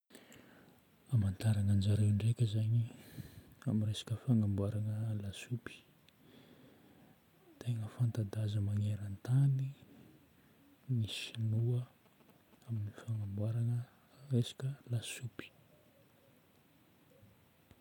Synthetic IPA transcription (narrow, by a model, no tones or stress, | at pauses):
amant̪aɾanand͡ʒaɾewɳɖ͡ʐekʲəzaɲi | amiresḁkəfaŋambwaɾanəlasupi̥ | t̪ʰeŋəfant̪ad̪azəmaŋeɾant̪ani | nisinuə | aminifaŋambwaɾanə | resḁkəlasupi̥